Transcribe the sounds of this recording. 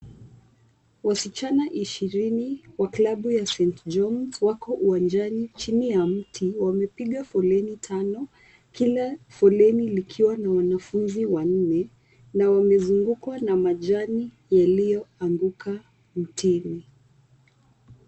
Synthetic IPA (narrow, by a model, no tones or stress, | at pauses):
wasit͡ʃanaʔiʃiɾiniwaklaɓujasɛntd͡ʒɔmwakɔʔuwand͡ʒanit͡ʃinijam̩tʰiwamɛpiɠafɔlɛnitʰanɔ | kilafɔlɛnilikʰiwanawanafunziwan̩nɛ | nawamɛzuŋɡukwanamaʄani | jalijɔaŋɡukʰa | m̩tʰini